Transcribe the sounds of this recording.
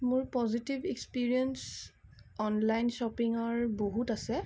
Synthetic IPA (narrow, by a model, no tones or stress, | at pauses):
mʊɹpɔzitibʱekspiɹiɛns | ɔnlajnʃɔpiŋɔɹboɦutasɛ